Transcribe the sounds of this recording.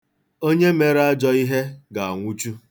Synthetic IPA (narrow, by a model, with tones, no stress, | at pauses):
o˦ɲe˦me˨ɾa˦d͡ʒɔ˦i˦ɦe˦ɡa˨a˨ŋʷu˦t͡ʃu˦